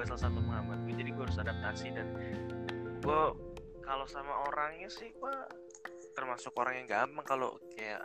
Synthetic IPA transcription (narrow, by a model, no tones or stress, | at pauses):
səlasanməməŋamat̪̚ɡid͡ʒadiɡuaɾʊsadap̚t̪asidan | ɡɔ | kalosamaʔoɾaŋɲasɪhpa | t̪ərmasʊkoɾaŋjaŋɡaːmpaŋkalo̰kaja̰